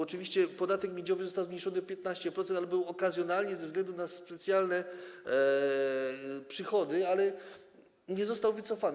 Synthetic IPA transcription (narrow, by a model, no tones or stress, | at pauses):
ɔt͡ʂɘvʲiɕt͡ɕɛpɔd̪at̪ɛkmʲjed͡ʑɔvɘzɔst̪awzmɲejʂɔnɨpʲjɛt̪naɕt͡ɕɛpɾɔt̪ɛnt̪albɨwɔkazʲjɔnalɲɛzɛvzɡlɛnd̪unaspɛt̪sʲjalnɛ | pʂɘxɔd̪ɘalɛ | ɲɛzɔst̪awvɘt̪sɔfan